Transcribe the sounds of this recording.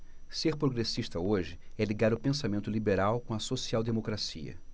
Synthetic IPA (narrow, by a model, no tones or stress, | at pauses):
seɾpɾoɡɾesiʃt̪ɐoʒɪɛliɡaɾʊpẽsamẽnt̪ʊlibeɾawkõɐsosiawd̪emokɾasiɐ̰